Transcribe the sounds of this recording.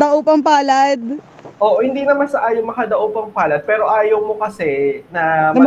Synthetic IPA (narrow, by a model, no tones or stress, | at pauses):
ɐʔopɐŋpaːlɐd̪̚ | ʔoʔhɪnd̪iːnɐmansɐʔaːjomɐkɐd̪ɐʔopɐŋpaːlɐd̪̚pɛːɾo̞ʔaːjɐwmokɐsɛnɐ